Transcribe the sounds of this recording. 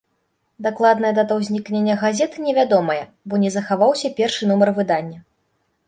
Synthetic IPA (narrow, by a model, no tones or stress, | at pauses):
d̪aklˠad̪nɐjɐd̪at̪ɐwzʲnʲiknʲenʲːɐɣazʲɛt̪ɨnʲɛvʲad̪ɔmɐjɛ | bɔnʲɛzɐxavawsʲɐpʲɛrʂɨnumɐrvɨd̪anʲːɐ